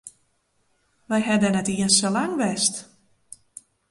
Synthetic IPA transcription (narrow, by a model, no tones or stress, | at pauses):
ʋɛjɦɛdənɛtiənsəlaŋʋɛst